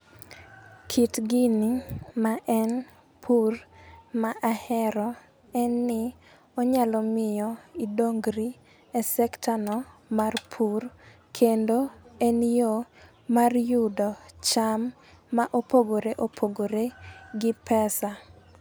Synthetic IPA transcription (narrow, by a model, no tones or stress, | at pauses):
kʰitɡɪnɪmaʔɛn | pʰurmaʔahɛɾɔ | ɛnːɪ | ɔɲalɔmɪjɔidoŋɡɾi | ɛsɛktʰanɔmarpʰur | kʰendoɛnjo | marjudɔt͡ʃamː | aʔopoɡoɾeʔopʰoɡoɾeɡɪpɛsa